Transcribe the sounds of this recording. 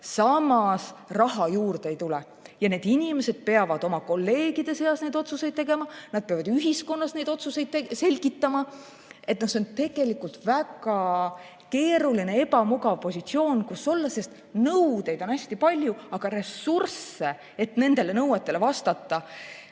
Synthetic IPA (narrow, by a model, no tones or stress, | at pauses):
sɑmɑsrɑɦɑjuːrd̪eejt̪ulɛ | jɑne̞ːd̪̥inʲime̞se̞d̪̥̚pe̞ɑvɑd̪̥o̞mɑko̞lːe̞ːɡ̥id̪e̞se̞ɑsne̞jd̪o̞t̪suse̞jd̪̚t̪e̞ɡ̥e̞mɑnɑd̪̚pe̞ɑvɑd̪yɦisko̞nːɑsne̞jd̪o̞t̪suse̞jd̪̥tese̞lʲɡit̪ːˑɑmɑ | e̞t̪nɑso̞nt̪e̞ɡ̥e̞likːˑult̪væɡɑ | ke̞ːɾuline̞e̞bɑmuɡɑvpo̞sʲit̪sio̞ːnkusːo̞lːɑse̞st̪ | nɤwd̪e̞jd̪̥o̞næsʲt̪ipɑlʲjuɑɡ̥ɑɾe̞surse̞ | e̞t̪ne̞nd̪̥e̞le̞nɤwet̪ːˑe̞le̞vɑst̪ɑt̪ːɑ